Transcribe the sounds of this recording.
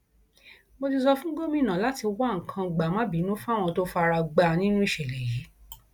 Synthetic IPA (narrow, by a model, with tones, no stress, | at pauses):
bo˧t̬i˧sɔ˧fũ˦ɡo˦mĩ˦˨nã˨la˨˦ti˧wa˦˨ŋ̩˨kʰã˧˨ɡ͡ba˨mã˦bi˨˦nũ˦fũ˦a˦˨w̃ɔ̃˧to˦fa˧ɾa˧ɡ͡ba˦˨nĩ˦nũ˦i˦˨ʃɛ˨le˨ji˨˦